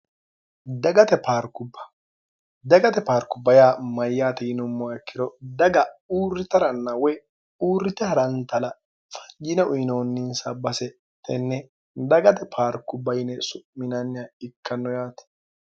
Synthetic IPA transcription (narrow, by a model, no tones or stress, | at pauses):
d̪ɐɡɐt̪ɛpaːɾkːʊbːɐ̥ | d̪ɐɡɐt̪ɛpaːɾkːʊbːɐjaːmɐjːaːt̪ɛjɪnʊmːɔɐkːɪd̪ɔd̪ɐɡɐuːrːɪt̪ɐɾɐnːɐwɛ | uːrːɪt̪ɛhɐɾɐnt̪ɐlɐ | fɐ̥ɲd͡ʒɪnɛʔʊjnoːnːɪnsabɐsɛ | t̪ɛnːɛ | d̪ɐɡɐt̪ɛpʰaːɾkːʊbːɐjnɛsʊʔmɪnanːɪjaɪkʰːɐnːɔjaːt̪ɛ̥